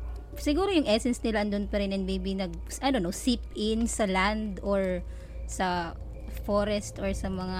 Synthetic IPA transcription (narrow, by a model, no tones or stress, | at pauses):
sɪɡuːɾojʊŋʔɛsɛnsnɪlaɐnd̪ʊnpɐɾɪnɐnbebɪnɐɡ̚ | sʔɐnonosipɪnsɐland̪oɹ | sɐ | foɾɛst̪oɹsɐmɐŋa